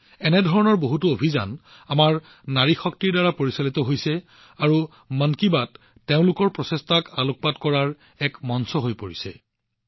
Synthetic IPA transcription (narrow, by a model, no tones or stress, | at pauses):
ɛnɛdʱɔɹɔnɔɹboɦutuobʱiza̰n | amaɹ | naɹixɔk̚tiɹdaɹapoɹisalit̪ɔɦojsɛ | aɹu | mənkibatː | eʊ̃lʊkɔɹpɹɔsestakalʊk̚patkɔɹaɹ | ɛkmɔnsɔɦojpoɹisɛ̰